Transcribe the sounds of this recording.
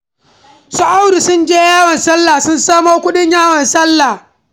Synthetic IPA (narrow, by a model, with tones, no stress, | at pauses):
sʊ˨ʔa˦wdi˨sʊ˦nd͡ʒeː˦jaː˦wɐ˨nsɐ˦lːa˨sʊ˦nsaː˦moː˦kʷʊ˦ɗɪ˦ɲjaː˦wɐ˨nsɐ˦lːa˨